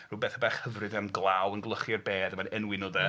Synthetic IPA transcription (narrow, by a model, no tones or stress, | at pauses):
ruːbeθabaχhəvrɨðɛmɡlˠawənɡlˠəχirbeːdəmanɛnwɪnɔðɛ